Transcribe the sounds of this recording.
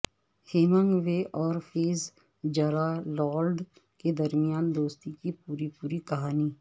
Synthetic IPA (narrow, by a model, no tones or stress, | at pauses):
heːmə̃ŋɡʋeʔɔːɾfʰeːz | d͡ʒəɾalɔːlɖ | ked̪əɾmɪjaːnd̪oːst̪ikipuːɾipuːɾikɐɦaːniː